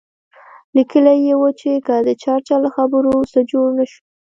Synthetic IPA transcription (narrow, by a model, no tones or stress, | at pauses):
likəlajewət͡ʃekəd̪ət͡ʃɑɾt͡ʃɑlaxabəɾosəd͡ʒoɽnaʃu̥